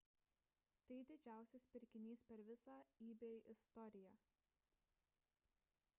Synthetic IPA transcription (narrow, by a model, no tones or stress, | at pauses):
t̪ɐɪd̪ʲɪd͡ʒʲæˑʊsʲɛspʲɪɾʲkʲɪnʲiːspʲɛɾʋʲɪsɑːiːbʲeːʔɪst̪ɔɾʲɪjæː